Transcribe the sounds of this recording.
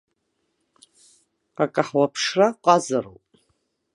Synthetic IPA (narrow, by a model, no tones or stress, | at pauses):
akʼaħwapʰʂraqʷʼazaro̰wpʼ